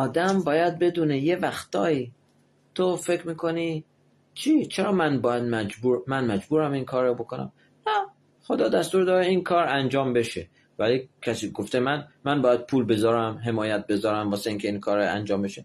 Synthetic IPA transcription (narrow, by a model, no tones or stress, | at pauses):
ɒːd̪æmbɒːjæd̪̚be̞d̪uːneje̞væxt̪ɒːiː | t̪ʰofe̞kʰɾmiːkʰo̞ni | t͡ʃʰiːt͡ʃʰeɾɒːmænbɒːjæd̪̚mæd͡ʒbuːɾmænmæd͡ʒbuːɾæminkʰɒːɾːɒbo̞kʰonæ̰m | næ | χo̞d̪ɒːd̪æst̪uːɾd̪ɒːɾeinkʰɒːɾænd͡ʒɒːmbe̞ʃe | vælikʰæsiːɡoft̪e̞mænmænbɒːjæd̪̚pʰuːlbe̞zɒːɾæmɦe̞mɒːjæt̪̚be̞zɒːɾæmvɒːseiːŋkʲcʰe̞iːnkʰɒːɾæ̰nd͡ʒɒːmbe̞ʃe